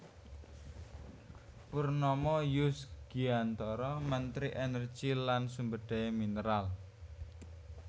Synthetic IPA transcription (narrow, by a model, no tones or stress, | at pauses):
purnɔmɔjʊsɡ̥iant̪ɔɾɔmənt̪ɾiʔenər̥ʒ̥ilansumbəɖ̥a̤eminəɾal